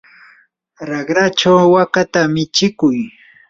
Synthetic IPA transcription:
ɾɑɢɾat͡ʃawwakat̪amɪt͡ʃɪkʊj

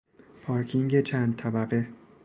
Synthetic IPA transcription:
pʰɒːɾkʰiŋɟet͡ʃʰænd̪̚t̪ʰæbæɣe

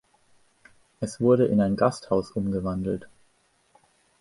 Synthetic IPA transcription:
ʔɛsv̥ʊɐɾəʔɪ̰naɪnɡasthaʊsʔʊmɡəvandl̩t

